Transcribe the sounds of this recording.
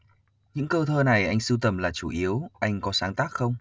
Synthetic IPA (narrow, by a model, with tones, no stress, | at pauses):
ɲɨ̰˧˥ŋkəː˧t̪ʰəː˧na˨˩jʔa˧jŋ̟sɨ˧wt̪ə˨˩mlaː˨˩t͡ɕu˧˩ʔi˨˦əwʔa˧jŋ̟kɔ˨˦saː˨˦ŋt̪aː˦˥k̚xə˧wŋ͡m